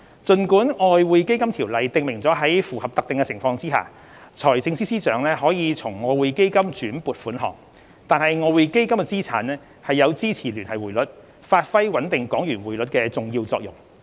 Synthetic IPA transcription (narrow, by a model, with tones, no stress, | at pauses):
t͡sɵ˨nkuː˨˥nɔː˧jwuː˨˧jke˥jkɐ˥mt̪ʰiː˨˩wlɐ˨jt̪ɪ˨ŋmɪ˨˩ŋt͡sɔː˨˥ɦɐ˨˥jfuː˨˩hɐ˨p̚t̪ɐ˨k̚t̪ɪ˨ŋkɛ˧t͡sʰɪ˨˩ŋfɔː˧ŋt͡siː˥ɦa̰ː˨˩ | t͡sʰɔː˨˩jsɪ˧ŋsiː˥siː˥t͡sœː˨˥ŋlɛː˥ɦɔː˨˥jiː˨˧t͡sʰʊ˨˩ŋːɔː˨˧wuː˨˧jke˥jkɐ˥mt͡ʃyː˨˥npuː˨t̚fuː˨˥nɦɔ̰ː˨˩ŋ | t̪aː˨nhɐ˨jŋɔː˧wuː˨˧jke˥jkɐ˥mkɛ˧t͡siː˥t͡sʰa̰ː˨˥nlɛː˥ | hɐ˨jːɐ˨˧wt͡siː˥t͡sʰiː˨˩lyː˨˩nhɐ˨˩jwuː˨˩lɵ˨˥t̚ | faː˧t̚fɐ˥jwɐ˨˥nt̪ɪ˨ŋkɔː˨˥ŋjyː˨˩nwuː˨˩jlɵ˨˥t̚kɛː˧t͡sʊ˨ŋjiː˧wt͡sɔː˧k̚jʊ̰˨˩ŋ